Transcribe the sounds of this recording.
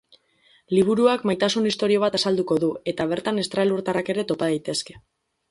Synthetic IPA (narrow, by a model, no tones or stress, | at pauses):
liβ̞uɾuakmajt̪asunist̪o̞ɾio̞β̞at̪asald̪uko̞ðue̞t̪aβ̞e̞ɾt̪ane̞st̪ɾaluɾt̪arake̞ɾe̞t̪o̞paðajt̪e̞ske̞̥